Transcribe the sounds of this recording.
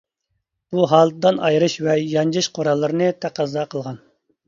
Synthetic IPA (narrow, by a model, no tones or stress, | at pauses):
b̥uɦɑːlˠd̪ɨd̪ɑnɑjɾɨʃvɛjɑnd͡ʒɨʃqʰoɾɑlˠːɨɾɨnɨt̪ʰæqɑzɑqʰəlˠʁɑn